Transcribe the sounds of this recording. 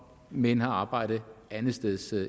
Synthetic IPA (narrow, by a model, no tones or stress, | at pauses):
menhɑ̈ɑ̈ːb̥ɑ̈ɪ̰d̥ð̩ˠænð̩ˠsd̥eðˠs